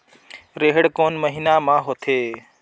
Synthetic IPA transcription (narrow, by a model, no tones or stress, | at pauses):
ɾeɦɽkoːnməɦinamãːɦot̪ʰeː